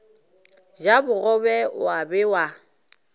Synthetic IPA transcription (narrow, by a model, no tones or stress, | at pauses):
d͡ʒabʊɣɔbɛwabɪwa